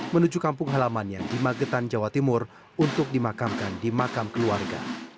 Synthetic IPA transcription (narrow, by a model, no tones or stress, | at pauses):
mənud͡ʒukampʊŋɦalamanjaŋdimaɡət̪and͡ʒawat̪imʊr | unt̪ʊk̚dimakamkandimakamkəluarɡa̰